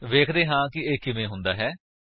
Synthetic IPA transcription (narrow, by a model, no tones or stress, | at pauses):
ʋeːkʰd̪eːɦãːkɪeːkɪʋẽːɦʊ̃nd̪aːɦɛː